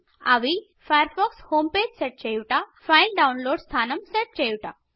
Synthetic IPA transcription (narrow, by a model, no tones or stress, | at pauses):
a̰ʋi | fajəɾfɔkshoːmpeːd͡ʑsɛʈ̚t͡ɕejwʈafajlɖawnloːɽst̪ʰaːnɐmsɛʈ̚t͡ɕejwʈa